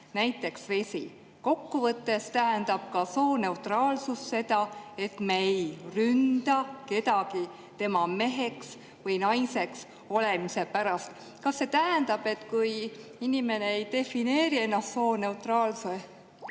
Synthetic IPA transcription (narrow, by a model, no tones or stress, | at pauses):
næjt̪ːˑe̞ksve̞sʲḭ | ko̞kːuvɤt̪ːe̞st̪æɦænd̪̥ɑb̥̚kɑsoːne̞wt̪rɑːlsusse̞d̪̥ɑe̞t̪mejrynd̪̥ɑke̞t̪ɑɡ̥i | t̪e̞mɑme̞ɦe̞ks | vɤjnɑjse̞ks | o̞le̞mise̞pæɾɑst̪ | kɑsːe̞t̪æɦænd̪̥ɑb̥e̞t̪ːkujinime̞ne̞ejt̪e̞fine̞ːɾie̞nːɑst̪so̞ːne̞ut̪rɑːlse